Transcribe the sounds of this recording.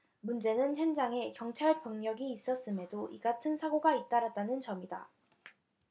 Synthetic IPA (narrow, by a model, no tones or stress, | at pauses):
mund͡ʑe̞nɯnçjʌnd͡ʑaŋe̞kjʌŋt͡ɕʰaɭpʌŋɲʌɡiːs͈ʌs͈ɯme̞doʔiɡatʰɯnsʰaɡoɡait̚t͈aɾat̚t͈anɯnt͡ɕʌmida